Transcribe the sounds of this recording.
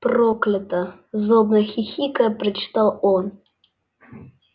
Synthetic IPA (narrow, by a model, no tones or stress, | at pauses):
proklʲɪt̪ə | zobnəxʲixʲikəpɾət͡ɕɪ̥t̪alˠɔn